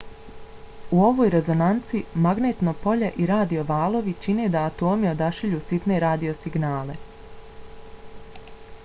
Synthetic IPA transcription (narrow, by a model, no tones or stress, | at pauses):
uo̞ʋoːjɾe̞zo̞nant̪simaɡneːt̪nopo̞ʎeʔiɾaːd̪io̞ʋaːlˠo̞ʋit͡ʃine̞d̪aːt̪o̞ːmio̞d̪aʃiʎuːsit̪ne̞ɾaːd̪io̞siɡnaːle̞